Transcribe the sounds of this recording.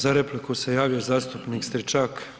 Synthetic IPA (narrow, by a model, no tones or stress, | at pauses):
zaɾeplikusejaːʋijozaːst̪upnikst̪ɾit͡ʃaːk